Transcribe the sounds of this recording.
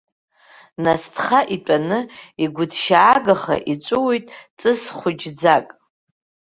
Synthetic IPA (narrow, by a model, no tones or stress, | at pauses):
nastʰχaʔitʼanɨiɡʷʊdʰʃaːɡaχa̰ʔit͡sʷʼʊwijtʼt͡sʼɨsχʷʊd͡ʒd͡zakʼ